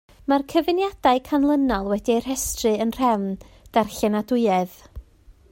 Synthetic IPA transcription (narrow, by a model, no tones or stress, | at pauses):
markʰəvɪnjad̥aɨkʰanlˠənɔlˠwɛdiar̥hɛstrɨənr̥ɛwn | d̥arɬɛnadʊɨɛð̥